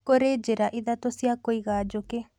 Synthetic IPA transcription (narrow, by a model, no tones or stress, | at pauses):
koɾed͡ʒeɾaʔiðat̪osiakoiɣad͡ʒoke